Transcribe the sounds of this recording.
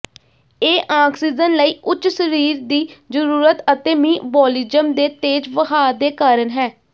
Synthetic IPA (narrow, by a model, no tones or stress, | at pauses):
eːʔaːksiːd͡ʒənləiːʔʊt͡ʃːsəɾiːɾd̪iːzəɾuːɾət̪ət̪eːmĩːbɔːliːd͡ʒəmd̪eːt̪eːd͡ʒʋəɦaːd̪eːkaːɾənɦɛː